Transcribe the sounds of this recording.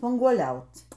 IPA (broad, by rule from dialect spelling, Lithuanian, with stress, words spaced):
spɐŋɡuɔˈlʲɛʊt͡s